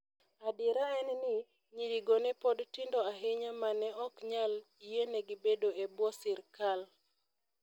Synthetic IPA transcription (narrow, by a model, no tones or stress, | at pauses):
adɪɾaɛnnɪ | ɲiɾiɡonɛpodtɪndɔaɦɪɲamanɛɔkɲal | ijeneɡibedoebwɔsɪɾkal